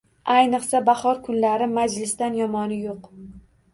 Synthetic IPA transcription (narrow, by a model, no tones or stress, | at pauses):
ajnɨχsabahɒɾkʰʊnlaɾɪmad͡ʒlɪst̪anjɒmɒnɪjoq